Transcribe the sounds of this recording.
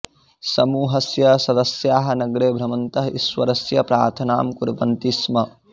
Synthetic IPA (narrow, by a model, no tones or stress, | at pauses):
sɐmuːɦɐsjɐsɐd̪ɐsjaːɦɐ̆nɐɡɽeːbʱɾɐmɐnt̪ɐɦɐisʋɐɾɐsjɐpɾaːɾt̪ʰɐnaːmkuɾʋɐnt̪ismɐ